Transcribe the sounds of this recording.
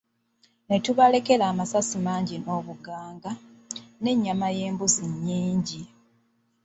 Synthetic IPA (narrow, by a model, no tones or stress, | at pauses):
ne̞tuβale̞ke̞laːmasasimaːɲɟino̞ːβuɡaːŋɡa | ne̞ɲːamaje̞ːmbuziɲːiːɲɟi